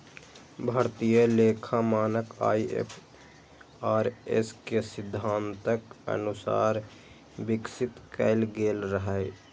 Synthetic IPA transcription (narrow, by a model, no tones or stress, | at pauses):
bʱəɾt̪ijəleːkʰamaːnəka̰ːiḛpʰ | aːɾḛskesɪd̪ʱːaːnt̪əkə̰nusa̰ːɾ | bɪksɪt̪kəɪlɡelɾəɦə